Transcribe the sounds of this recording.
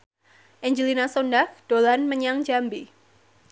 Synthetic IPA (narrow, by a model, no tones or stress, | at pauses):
ʔɛɲd͡ʒəlinasondak̚d̥olanməɲaŋd͡ʒambi